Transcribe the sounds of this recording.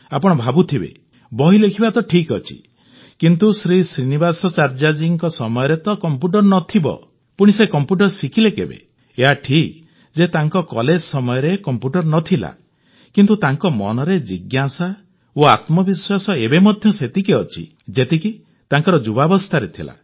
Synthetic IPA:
apɔɽ̃ɔbʱabut̪ʰibḛ | bɔɦilekʰibat̪ɔʈʰikɔt͡ʃʰḭ | kint̪usɾisɾinibasɔt͡ʃaɾd͡ʒad͡ʒiŋkɔsɔmɔjɔɾet̪ɔkɔmpjuʈ̬ɔɾnɔt̪ʰibɔ̰ | puɽ̃isekɔmpjuʈ̬ɔɾsikʰilekḛbḛ | eɦaʈʰik | d͡ʒet̪aŋkɔkɔled͡ʒsɔmɔjɔɾekɔmpjuʈɔɾnɔt̪ʰila̰ | kint̪ut̪aŋkɔmɔ̰nɔɾed͡ʒiɡjasa | oat̪mɔbiswasɔebemɔd̪ʱjɔset̪ikeɔt͡ʃʰḭ | d͡ʒet̪iki | t̪aŋkɔɾɔd͡ʒubabɔst̪ʰaɾet̪ʰila̰

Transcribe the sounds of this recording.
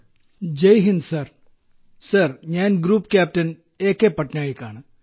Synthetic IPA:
d͡ʒɐjɦinsɐɾ | sɐɾɲaːnɡɾuːpkɛːp̚ʈɐn | eːkepɐʈnʲaːikaːn

